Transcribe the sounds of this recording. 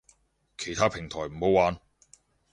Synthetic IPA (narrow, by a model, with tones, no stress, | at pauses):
kʰe˨˩jt̪ʰaː˥pʰɪ˨˩ŋt̪ʰɔː˨˩jm̩˨˩ho˨˥waː˨˧n